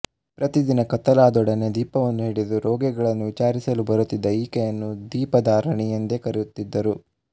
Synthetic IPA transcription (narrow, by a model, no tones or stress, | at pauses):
pɾɐt̪id̪inɐkɐt̪ːɐlaːd̪ɔɽɐne̞d̪iːpɐʋɐnːuɦiːɽid̪uɾɔːɡɛɡɐɭɐnːuʋit͡ʃaːɾisɐlubɐɾut̪ːid̪ːɐiːkɛjɐnːud̪iːpɐd̪aːɾɐɳɛjɐnd̪ekɐɾejut̪ːid̪ːɐɾu